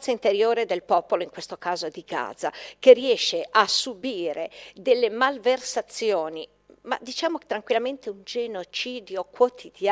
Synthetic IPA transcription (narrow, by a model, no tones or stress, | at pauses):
saint̪eɾjoːɾed̪elpɔːpoloiŋkwest̪okaːzod̪iɡa̰ːd̪zakerːiɛʃːeʔasːubiːɾed̪elːemalversat̪sːjoːni | ma̰d̪it͡ʃaːmoke̥t̪ːɾaŋkwilːament̪eund͡ʒenot͡ʃiːd̪jokwot̪ʰid̪a